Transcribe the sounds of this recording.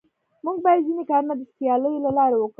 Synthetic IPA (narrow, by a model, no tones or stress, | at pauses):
muɡ̚bɑjad̪zinekɑɾunad̪əspjɑləjlalɑɾawək